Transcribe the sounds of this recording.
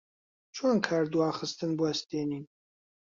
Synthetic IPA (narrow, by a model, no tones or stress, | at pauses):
t͡ʃʰoːnkʰaːɾd̪waːχɨst̪ɨnbwɐst̪eːniː